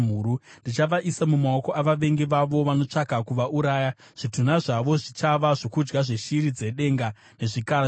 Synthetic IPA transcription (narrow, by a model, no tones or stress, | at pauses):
m̤uːɾunndit͡ʃaʋaʔisamumaoko̞ʔaʋaʋe̞ŋɡeʋaʋo̞ʋano̞t͡ʂakakuʋaʔuɾaːja | ʐ̥itunaʐaʋo̞ʐit͡ʃaʋaʐo̞kud͡ʒɡaʐeʃiɾid͡ze̞ɗe̞ːŋɡa | ne̞ʐika